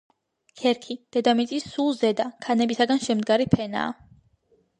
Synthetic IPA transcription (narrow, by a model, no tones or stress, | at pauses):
kʰɛɾkʰid̪̥ɛd̪amit̪sʼisːulˠzɛd̪akʰanɛbisaɡanʃɛmd̪ɡaɾipʰɛna̰ː